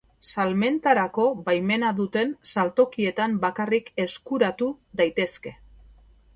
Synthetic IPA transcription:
salme̞nt̪aɾako̞βajme̞naðut̪e̞nsalt̪o̞kie̞t̪ambakarike̞skuɾat̪uðajt̪e̞ske̞

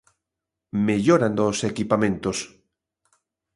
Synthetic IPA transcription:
meʎoɾand̪osekipamẽnt̪os

